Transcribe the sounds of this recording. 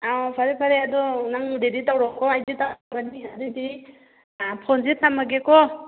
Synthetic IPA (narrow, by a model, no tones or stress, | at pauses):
awpʰaɾɛpʰaɾɛad̪ɔnaŋdeditawɾɔŋkɔajditabaniɦadidi | apʰɔnzit̪̚namaɡɛkɔ